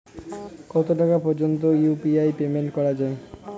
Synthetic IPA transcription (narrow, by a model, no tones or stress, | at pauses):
kɔt̪oʈakapɔɾd͡ʑont̪ojupiajpemeɳʈkɔɾad͡ʑae